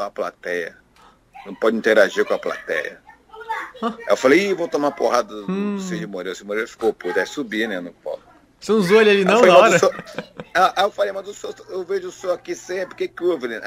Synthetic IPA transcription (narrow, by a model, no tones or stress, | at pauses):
apla̰t̪ɛjɐ̰ | nɐ̃w̃pɔd͡ʒɪĩnt̪eɾaʒiɾkõɐpla̰t̪ɛ̰jɐ̰ | ewfalejvot̪omapoɦad̪ɐsed͡ʒɪmoɾeɾsemoɾelfi̥koput̪ajsubinɛnʊpɔ̰l | sẽũzoalalinɐ̃faeamaɔɾɐsoaaewfalejmɐzʊsosewveʒʊsoakisẽpɾɪkekuevilẽn